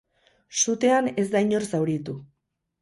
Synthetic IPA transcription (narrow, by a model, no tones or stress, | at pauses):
sut̪e̞ane̞zd̪ajɲo̞ɾsawɾit̪u